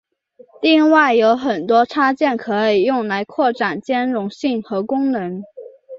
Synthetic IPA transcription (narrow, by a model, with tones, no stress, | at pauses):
li˥˧ŋwa˥˩ɪjo˧˥ʊxə˨˩nt̪wɔ˥ʈ͡ʂʰa˥t͡ɕjɛ˥˩nkʰɤ˧˥i˨˩jʊ˥˩ŋla˧˥ɪkʰwɔ˥˩ʈ͡ʂa˨˩nt͡ɕjɛ˥nɻʊ˧˥ŋɕi˥˩ŋxɤ˧˥kʊ˥ŋnɤ˧˥ŋ